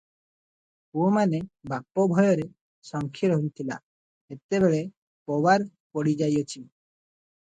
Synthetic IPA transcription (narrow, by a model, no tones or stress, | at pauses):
puomanebapːobʱɔjɔɾe | sɔŋkʰiɾɔɦunt̪ʰila̰ | et̪eβeɭe | pɔbaɾpɔɽid͡ʒajot͡ʃʰi